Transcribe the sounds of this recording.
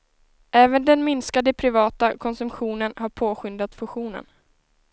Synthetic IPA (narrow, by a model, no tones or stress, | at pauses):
ʔɛːvənd̪ɛnmɪnskad̪əpʰɾɪvɑːt̪akʰɔnsɵmpɧuːnənhaɾpʰoːɧʏnd̪at̪fɵɧuːnə̰n